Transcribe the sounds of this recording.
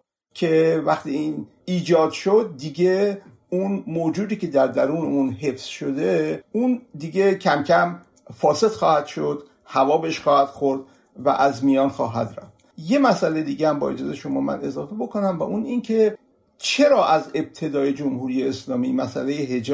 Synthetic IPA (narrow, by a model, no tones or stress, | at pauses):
cʰevæxt̪iːiːn | iːd͡ʒɒːd̪ʃod̪̚ːiːɡe | unmoːd͡ʒuːd̪iːkʲʰe̞d̪æɾd̪æɾuːneunhe̞fz̥ʃod̪e̞und̪iːɡe̞cʰæmcʰæm | fɒːse̞t̪xɒːhæd̪̥ʃo̞d̪ | hævɒːbeʃxɒːhæd̪̥xoɾd̪ | væ̰ʔæzmijɒːnxɒːɦæ̰d̪ɾæ̰ft̪je̞mæsʔælejed̪iːɡehæmbɒ̰ːe̞d͡ʒɒːzejʃo̞mɒːmæ̰ne̞zɒːfe̞bo̞kʰonæmvæ̰ʔunincʰe̞ | t͡ʃʰe̞ɾɒːʔæze̞b̥̚t̪ʰe̞d̪ɒːje̞d͡ʒomhuːɾijeːslɒːmimæsʔæ̰lejeɦed͡ʒ